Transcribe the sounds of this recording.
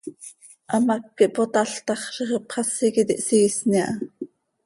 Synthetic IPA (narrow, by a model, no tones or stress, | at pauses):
ʔɑmɑkːiʔpot̪ɑɬt̪ɑχʃiχepχɑsikit̪iʔsisniɑ̰ʔ